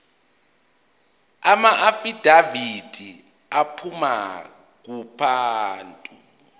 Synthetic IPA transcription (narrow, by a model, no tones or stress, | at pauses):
amaʔafid̥ʱavid̥ʱi | apʰuma̰ | k̬upʰaːntʼu